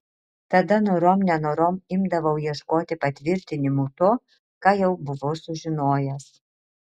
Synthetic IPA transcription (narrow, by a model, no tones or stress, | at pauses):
t̪ɐd̪ɐnoːɾoːmnʲɛnoːɾoːmɪmd̪ɐʋɐʊjiɛʃkoːt̪ʲɪpɐt̪ʲʋʲɪɾʲt̪ʲɪnʲɪmuːt̪oː | kɑːjɛʊbʊʋoːsʊʒʲɪnoːjɛs